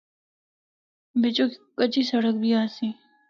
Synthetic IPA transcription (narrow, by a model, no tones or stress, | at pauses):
bet͡ɕoki̥kɐt͡ɕisɐɽəkbʱiaːsi